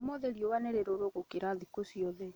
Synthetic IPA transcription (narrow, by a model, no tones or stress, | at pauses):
mɔðeɾjɔwaneɾeɾoɾoɣokeɾaðikosiɔðɛ